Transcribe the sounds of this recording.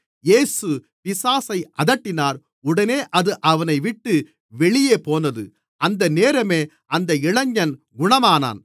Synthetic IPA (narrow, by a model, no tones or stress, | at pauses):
jeːsɯ | pɪsaːsɐɪʔɐðɐʈːɪnaːɾ | ʊɽɐneːʔɐðɯʔɐʋɐnɐɪʋɪʈːɯ | ʋɛɭɪjeːpoːnɐðɯ̰ | ɐnd̪ɐneːɾɐmeː | ʔɐnd̪ɐɪɭɐɲːɐn | ɡʊɳɐmaːna̰ːn